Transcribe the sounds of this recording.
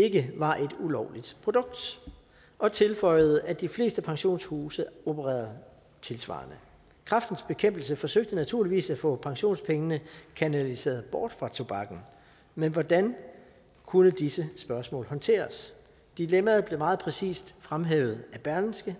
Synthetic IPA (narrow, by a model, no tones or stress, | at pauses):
e̝ɡ̥əʋɑ̈ʔe̝d̥ulɒʊlid̥pʰʁo̝d̥ɔ̽ɡ̥̚d̥ | ʔɒ̽t͡sʰe̝lfɒ̽ɪ̰ð̩ˠəʔæd̥ifle̝̰ːsd̥əpʰɑ̈ŋɕo̝̰ːnshuːsəobʰəʁɛ̰ːɐð̩ˠ | t͡sʰe̝lsʋɑ̰̈ːnə | kʰʁɑ̈fd̥n̩sb̥e̝kʰem̰b̥l̩səfɒ̽søɡ̥̚d̥ənæt͡sʰuɐ̰liʋḭːsæfɔ̰̽pʰɑ̈ŋɕo̝̰ːnspʰeŋənəkʰænælise̝̰ːɐð̩ˠb̥ɒ̰ːd̥fʁɑ̈t͡sʰo̝b̥ɑ̈ɡ̥n̩ | menʋɒd̥æn | kʰunəd̥isəsb̥ɶɐsmɔ̰̽ːlɦɒ̽nt͡sʰe̝̰ːɐs | d̥ilemɐð̩ˠble̝mɑ̈ːð̞̩ˠpʰʁɛsḭːsd̥fʁamɦɛ̰ːʊð̞̩ˠæb̥æɐln̩sɡ̥ə